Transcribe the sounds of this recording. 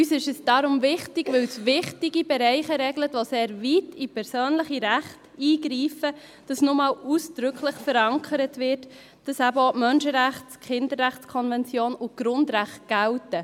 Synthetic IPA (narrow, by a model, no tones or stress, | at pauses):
ysɪʃəsd̥ɑɾʊmvɪχtɪɡʋɪwsʋɪχtɪɡibɛɾɛɪχəɾɛɡlətʋoseːɾvitipʰɛɾsøːnləχiɾæχtiːɡɾiːfə | d̥ɑsnʊmɑːluːsd̥ɾʏkʰləχfəɾɑŋkʰəɾətvɪt | d̥ɑsæbəomœnʃəɾæχtχɪndəɾːæχt͡skʰɔnvɛnt͡sjoːnʊɡ̥ɾʊndɾæχt̚ɡ̥æwtə